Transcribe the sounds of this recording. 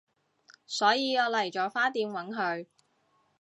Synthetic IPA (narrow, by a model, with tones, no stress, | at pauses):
sɔː˨˥jiː˧ɔː˨˧lɐ˨˩jt͡ʃɔː˨˩faː˥t̪iː˧mwɐ˨˥nɦɵ˧ɥ